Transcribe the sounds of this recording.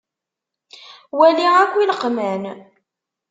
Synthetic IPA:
wæliʁækʷːiləqmæn

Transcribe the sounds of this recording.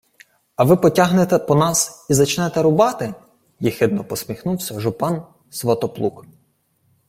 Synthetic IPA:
ɐʋɪpɔtʲaɦnet̪ɛpɔnɑsizɐt͡ʃnɛt̪ɛɾʊbɑt̪ɪ | jixɪd̪nɔpɔsʲmʲixnuwsʲɐʒʊpɑn | sʋɐt̪ɔplˠuk

